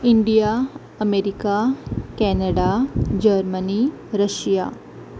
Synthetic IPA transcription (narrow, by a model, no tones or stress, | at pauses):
iɳɖija | əmeɾikakɛːnəɖad͡ʒəɾməni | ɾəʃija